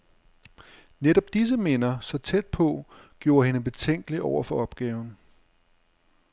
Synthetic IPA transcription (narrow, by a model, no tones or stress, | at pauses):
neɾɒ̽b̥̚d̥is̬əme̝nɐsɒ̽t͡sʰed̥̚pʰɒ̽ɡ̥jo̝ːɐɦe̝nəb̥e̝t͡sʰeŋ̰ɡ̥əliʔɒʊɐfɒ̽ɒ̽b̥ɡ̥ɛːʊn̩